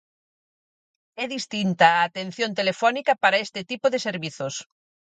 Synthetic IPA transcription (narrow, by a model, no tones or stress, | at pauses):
ɛðist̪int̪ɐːt̪en̟θjont̪elefɔnikɐpaɾɐest̪ɪt̪ipoðeseɾβiθʊs